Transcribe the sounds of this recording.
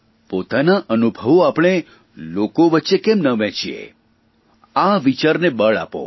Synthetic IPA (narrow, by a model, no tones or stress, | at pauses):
pot̪anaʔənubʱəʋoapɳ̃e | lokoʋətːʃekemnəʋɛ̃t͡ʃʰiḛ | aʋit͡ʃaɾnebəɭa̰po̰